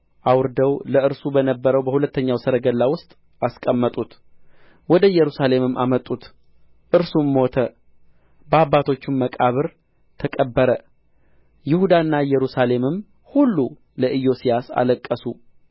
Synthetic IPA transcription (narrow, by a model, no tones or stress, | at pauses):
ʔawɾd̪əwləɨɾsubənəbːəɾəwbəhulət̪ːəɲːawsəɾəɡəlːawʊst̪ʼ | askʼəmːət̪ʼut̪ | wɔd̪əjɛɾusale̞mɨmːʔa̰mət̪ʼːut̪ | ʔɨɾsumːo̞t̪ʰə | bəabːat̪ʰo̞t͡ʃːɪmːəkʼaβɨɾ | t̪ʰəkʼəbːəɾə | jɪhud̪anːajɛɾusale̞mɨm | hulːu | ləʔɨjo̞sijasa̰ləkʼːəsu